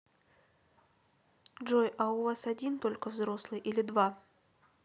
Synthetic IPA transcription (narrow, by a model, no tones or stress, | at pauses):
dʐojʔaʊvasɐdʲint̪o̞lʲkəvzɾo̞slˠɨjʔilʲɪd̪va